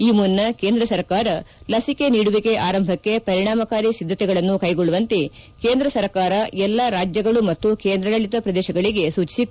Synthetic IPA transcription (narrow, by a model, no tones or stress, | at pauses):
iːmunːɐke̞ːnd̪ɾɐsɐɾkaːɾɐlɐsike̞niːɽuʋike̞ʔaːɾɐmbʱɐkːe̞pɐɾiɳaːmɐkaːɾisid̪ʱːɐt̪ɛɡɐɭɐnːukɐjɡoɭuʋɐnt̪ekeːnd̪ɾɐsɐɾkaːɾɐɛlːaɾaːd͡ʒjɐɡɐɭumɐt̪ːukeːnd̪ɾɐlɐɭit̪ɐpɾɐd̪ɛːʃɐɡɐɭiɡe̞suːt͡ʃi̥sit̪ːu